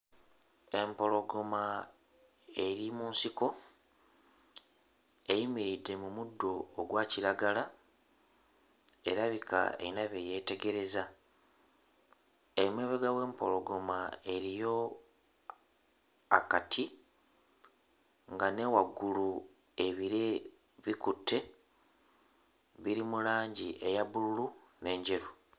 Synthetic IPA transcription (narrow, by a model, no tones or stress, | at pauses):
e̞mpo̞lo̞ɡo̞ma | e̞ɾimuːnsiko̞ | ejimiɾidːe̞mumudːo̞ːɡwaːciɾaɡala | e̞ɾaβika̰ḛinaβeje̞ːte̞ɡe̞ɾe̞za | emwe̞ːβeɡawe̞ːmpo̞lo̞ɡo̞mae̞ɾijo̞ | akatʰi | ŋɡane̞waɡːulu | e̞βiɾe | βikutʰːe̞ | βiɾimulaːɲɟiʔe̞jaβululune̞ːɲɟe̞ɾu